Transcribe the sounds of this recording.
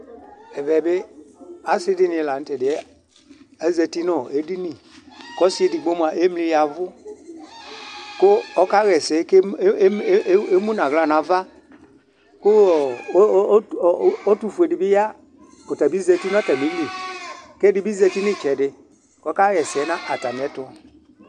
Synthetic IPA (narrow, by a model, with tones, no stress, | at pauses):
ɛ˨vɛ˨be˦a˦si˦di˦nĩ˨la˨n̩˨˦tɛ˨dɪ˨˦ | a˦ze˧ti˦nɔ˦˨e˨˦di˦ni˨kɔ˦si˦e˨di˨ɡ͡bo˦m˨a˨ʔe˦mli˧ja˨vʊ˦ | ko˦ɔ˦ka˦ɣɛ˨sɛ˨˦ke˦e˦mu˦na˨ɣla˨na˨va˦ | kʊ˦˨˦ | o˦tu˧fu˨e˨di˨bi˦ja˦ | o˨ta˨bi˦ze˧ti˦n˦ɔ˦ta˨mi˨˦li˨ke˦di˧˦bi˦ze˧ti˦ni˦˨t͡ʃɛ˨dɪ˧ | kɔ˦ka˦ɣɛ˨sɛ˨˦nã˦ʔa˨ta˨mi˨ɛ˨˦tʊ˧˦˨